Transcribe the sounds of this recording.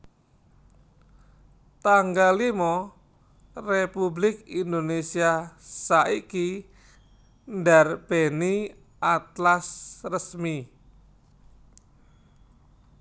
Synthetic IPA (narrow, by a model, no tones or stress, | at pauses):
t̪aŋɡalimɔ | republɪkind̪onesiasaʔiki | ndarb̥eni | at̪lasrəsmi